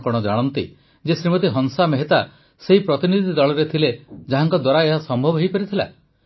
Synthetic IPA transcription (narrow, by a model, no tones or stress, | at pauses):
kɔɽ̃ɔd͡ʒaɽ̃ɔnt̪i | d͡ʒesɾimɔt̪̬iɦɔŋsameɦet̪a | seɦipɾɔt̪inid̪ʱid̪aɭɔɾet̪ʰiled͡ʒaɦaŋkɔd̪waɾaeɦasɔmbʱɔbɔɦejpɔɾit̪ʰila̰